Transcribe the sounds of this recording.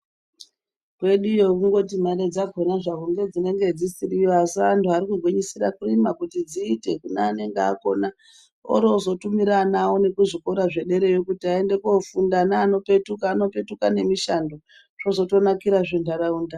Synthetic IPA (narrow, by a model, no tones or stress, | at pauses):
kwe̞ɗujokuŋɡo̞timaɾed͡zaɡʱonaʐakuŋɡe̞d͡zine̞ŋɡe̞d͡zisiriwasantuaɾikuɡʱweɲisirakurimakutid͡ziːte̞kunaane̞ŋɡea̰ko̞̰na | o̰ɾozo̞tumiɾanawone̞kuʐiko̞ɾaʐe̞ɗe̞ɾe̞jokutiaende̞ko̞fundanaːno̞pe̞tukaːno̞pe̞tukane̞miʃando̞ | ʐo̞zo̞to̞nakiɾaʐindaɾauːnda